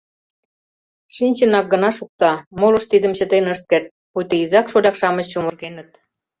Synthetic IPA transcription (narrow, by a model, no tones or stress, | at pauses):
ʃinʲt͡ɕə̆nɑk̚ɡə̆nɑʃuk̚t̪ɑmolə̆ʃt̪id̪ə̆mt͡ɕə̆t̪enəʃt̪̚kert̪̚pujt̪ə̆izɑkʃolʲɑkʃɑmə̆t͡ɕt͡ɕumə̆rɣenə̆t̪̚